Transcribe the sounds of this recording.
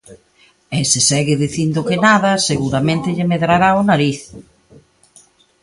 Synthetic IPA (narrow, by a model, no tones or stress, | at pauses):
ɛsɪsɛɣɪðiθind̪ʊkɪnaðɐseɣuɾamẽnt̪ɪʎɪmeðɾaɾaʊnaɾiθ